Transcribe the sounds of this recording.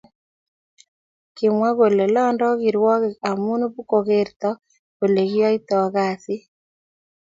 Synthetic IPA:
ki˨mwa˦ɣo˨lɛ˨lɔ˦ndɔ˦ɣi˨ɾwɔ˦ɣe˨a˨mu˦nu˦βu˦ko˨ɣe˦ɾt̪ɔ˦ | ɣo˨le˨ɣjɔ˦i˦tɔ˨ɣa˨si˦

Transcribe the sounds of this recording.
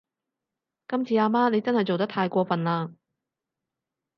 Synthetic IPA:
kɐ˥mt͡sʰiː˨˧aː˧maː˥ne˨˧jt͡sɐ˥nhɐ˨˩jt͡so˨wt̪ɐ˥t̪ʰaː˧jkʷɔː˧fɐ˨nlaː˧

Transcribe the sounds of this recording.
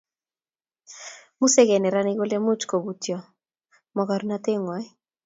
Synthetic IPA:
mu˦sɛ˦ɡɛ˨nɛ˨ɾa˦ni˦ɡo˦lɛ˦mu˦t͡ʃko˨bu˨tjɔ˨ | mɔ˨ka˨ɾna˦t̪e˦ŋwa˨˦j

